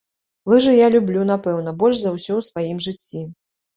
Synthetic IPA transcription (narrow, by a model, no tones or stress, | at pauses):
lˠɨʐɨjalʲublʲunapɛwn̪ɐbɔlʲʂzɐwsʲɔwsvajimʐɨt͡sʲːi